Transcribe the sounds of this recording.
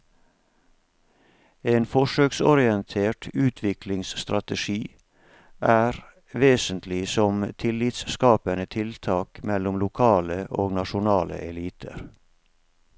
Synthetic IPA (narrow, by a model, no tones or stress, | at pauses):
eːnfɔʃøːksɔɾɪɛnt̪ʰeːʈʉːt̪ʰʋɪkʰlɪŋsst̪ɾɑt̪əʃiː | ʔæːɾ | ʋeːsənt̪ʰlɪsɔmt̪ʰɪlɪt̪sskɑːpənət̪ʰɪlt̪ʰɑːkmɛlʊmlʊkʰɑːləʔoːɡnɑʃʊnɑːlə̰ʔɛliːt̪ʰə̰ɾ